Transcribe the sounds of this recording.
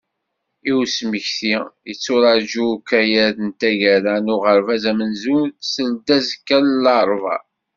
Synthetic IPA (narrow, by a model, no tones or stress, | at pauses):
iwsməçθijət͡sːʊɾɑd͡ʒukæjæðənt̪æʝæɾænʊʁəɾvæzæmənzusəld̪æzkːællɑɾˤvɑ̰